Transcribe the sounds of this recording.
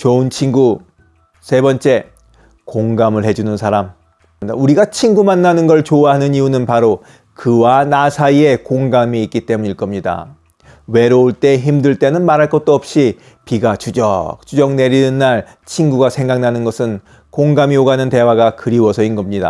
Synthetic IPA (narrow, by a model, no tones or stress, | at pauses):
t͡ɕoɯnt͡ɕʰinɡu | sʰe̞bʌnt͡ɕ͈e̞ | koŋɡamɯɭhed͡ʑunɯnsʰaɾam | da̰uɾiɡat͡ɕʰinɡumanːanɯnɡʌɭt͡ɕowaɦanɯɲiunɯnpaɾo | kɯwanasʰaie̞koŋɡamiik͈it͈e̞muɲiɭk͈ʌmɲida̰ | we̞ɾooɭt͈e̞çimdɯɭt͈e̞nɯnmaɾɦaɭk͈ʌt̚t͈oʌp̚ɕ͈i | piɡat͡ɕud͡ʑʌ̰k̚t͡ɕud͡ʑʌŋne̞ɾinɯnːaɭ | t͡ɕʰinɡuɡasʰe̞ŋɡaŋnanɯnɡʌsʰɯn | koŋɡamioɡanɯnte̞waɡakɯɾiwʌsʰʌinɡʌmɲida̰